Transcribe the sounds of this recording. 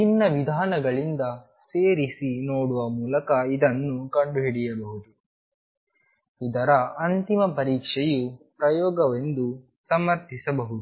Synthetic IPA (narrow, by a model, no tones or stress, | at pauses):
t͡ʃinːɐʋid̪ʱaːnɐɡɐɭind̪ɐ | seːɾisinoːɽuʋɐmuːlɐkɐid̪ɐnːukɐɳɖuɦiɽijɐbɐɦud̪u | id̪ɐɾɐɐnt̪imɐpɐɾiːkʂɛjupɾɐjɔːɡɐʋe̞nd̪u | sɐmɐɾt̪ʰisɐbɐɦud̪u